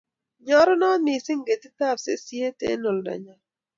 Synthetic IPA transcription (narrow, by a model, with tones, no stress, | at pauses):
ɲɔ˦ɾɔ˦nɔ˦nɪ˨sɪ˦ŋɡe˨ti˦t̪a˦˨psḛ˦si˦e˦tḛ˦no˨lda̰˨ɲa˨